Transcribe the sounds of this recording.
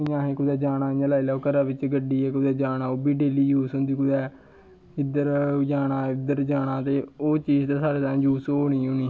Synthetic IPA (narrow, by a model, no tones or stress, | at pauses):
ɪɲãːɦɛ̃ːkʊd̪ɛːd͡ʒaːnãːãːlaːilɛːoːkəɾaːʋɪt͡ʃɡəɖiːɛːkʊd̪ɛːd͡ʒaːnaːoːbiːɖeːliːjuːsɦʊ̃nd̪iːkʊd̪ɛː | ɪd̪əɾd͡ʒaːnaːɪd̪əɾd͡ʒaːɽaːt̪eːoːt͡ʃiːzt̪aːsaːɾeːt̪ãːd͡ʒuːsoːɳĩːʊniː